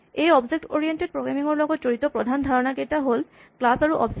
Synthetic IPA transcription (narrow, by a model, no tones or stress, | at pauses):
ejɔbzek̚toɹijented̚pɹoɡɹamiŋɔɹlɔɡɔtz̥oɹitɔpɹɔdʱandʱaɹɔnaketaɦol | klasaɹuʔɔ̰b